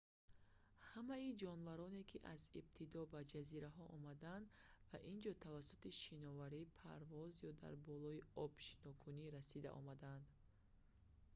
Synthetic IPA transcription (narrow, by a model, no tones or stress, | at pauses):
hamaid͡ʒɔnvaɾɔne̞kʰiʔazib̚t̪ʰid̪ɔbad͡ʒaziɾaɦɔʔɔmad̪and̪vaʔind͡ʒɔt̪ʰavasut̪iʃinɔvaɾipʰa̰ɾvɔzjɔd̪a̰ɾbɔlɔiɔb̥ʃi̥nɔkʰuniɾasid̪a̰ʔɔ̰mad̪and̪